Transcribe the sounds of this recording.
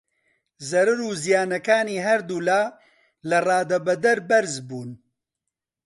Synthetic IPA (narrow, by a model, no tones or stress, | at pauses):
zɐɾɨɾuːzijaːnɐkaːniːɦɐɾd̪uːlaː | lɐrɑːd̪ɐbɐd̪ɐɾbɐɾzbuːn